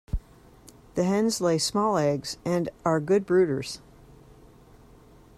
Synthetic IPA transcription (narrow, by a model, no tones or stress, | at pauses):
ðɨɦɛ̃nzleɪsmɔlˠɛɡz̥ɨ̃nə˞ɡʊd̚bɹʉɾə˞z̥